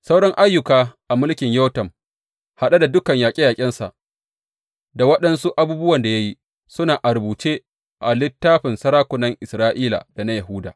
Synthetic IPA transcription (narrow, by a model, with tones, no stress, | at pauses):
sa˦wɽɔ˦ŋʔa˦jːʊ˨kaː˨ʔa˨mʊ˦lkʲɪ˨ɲjɔ˦tɐ˨m | ha˨ɗa˦da˨dʊ˦kɐ˨ɲjaː˨kʲʼi˦jaː˨kʲʼɪ˦nsa̰˨ʔ | da˨wɐ˦ɗɐ˦nsu˦ʔa˦buː˦bʊ˦wɐ˨nda˨ja˦ji˦ | sʊ˦naː˨ʔa˨ɾbuː˨t͡ʃeː˦ | ʔa˨lɪ˦tːaː˦ɸɪ˨nsɐ˦ɾaː˦kʷʊ˨nɐ˦ŋʔɪ˨sɾaː˦ʔiː˦la̰ː˨d̥a˨na˦jɐ˨ɦuː˦da̰ː˨